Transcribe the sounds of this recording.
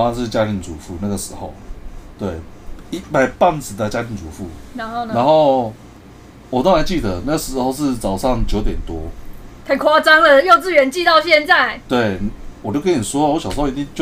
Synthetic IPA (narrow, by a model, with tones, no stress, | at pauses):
a˥˧nʂ̬ɻ̩˥˩˨t͡ɕja˥ɾi˧˥nt͡su˨˦fu˥˩na˥˩ɡə˩ʂɻ̩˧˥˦xo˥˨˩ʊt̪we˥˩ɪi˦˥pa˨˩ɪpa˥˧˩nt͡sɹ̩˨˩d̪ə˨t͡ɕja˥ɾi˧˥nt͡su˨˩˦fu˥˩na˧˦no˥˧ʊnna˧˦nxo˥˨ʊ | wɔ˨˩t̪o˥ŋɹa˧˦nt͡ɕi˥˩d̪ə˨˩na˥ɡə˩ʂɻ̩˧˥xo˥˧ʊʂɻ̩˥˧t͡sɑ˨˩ʊʂɑ˥˨ŋt͡ɕjo˧ʊt̪jɛ˨˩nt̪wɔ˦t̪ʰə˨˩kʰwa˥t͡sa˥ŋlə˨jo˥˧ʊt͡sɹ̩˥˨ɥɛ˧˥nt͡ɕi˥˧t̪ɑ˥˧ʊɕjɛ˥˧nt͡sa˥˩ɪt̪we˥˩ɪn˨wɔ˨˩t͡ɕjo˥˩ʊkə˦˥ni˨˩wɔ˦˥wɔ˧˦ɕjʂ̩˧˥˨i˨˩i˥˧ŋt͡ɕjo˥˧